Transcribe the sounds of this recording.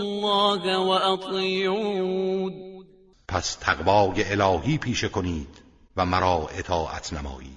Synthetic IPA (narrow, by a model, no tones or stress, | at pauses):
lːɑːɡwaʔɑt̪ˤju | d̪ | pʰæst̪ʰæɣvɒːje̞elɒːhiːpʰiːʃe̞kʰo̞niːd̪̥ | væmæɾɒːʔe̞t̪ʰɒːʔæ̰t̪ʰnæmɒ̰ːʔiːd̪̥